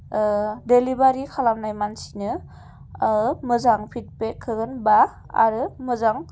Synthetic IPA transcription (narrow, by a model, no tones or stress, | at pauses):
delibaɾikʰalamnajmansi̥nɯ | mɯzaŋpʰit̚pet̚kʰɯɡɯnba | a̰ɾɯmɯzaŋ